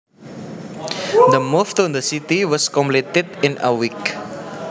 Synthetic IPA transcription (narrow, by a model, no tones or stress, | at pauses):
d̪əmɔft̪ɔd̪əsit̪iwɔskɔ̃mplitɪdĩna̰wik